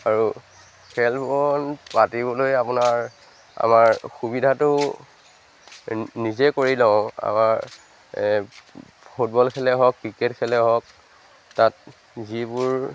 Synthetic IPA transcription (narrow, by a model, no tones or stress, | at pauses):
aɹu | kʰɛlbɔnpatibɔlojapʊnaɹ | a̰maɹxubidʱatʊ | nizɛkoɹilãʊa̰maɹ | pʰut̚bɔlkʰɛlɛɦɔkːɹikɛtkʰɛlɛɦɔk̚ | tat̚ | zibʊɹ